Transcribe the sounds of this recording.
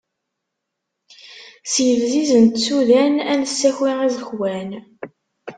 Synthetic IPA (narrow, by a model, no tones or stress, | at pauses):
sjəvzizənt̪suðænænəsːæçiʁæzəçwæn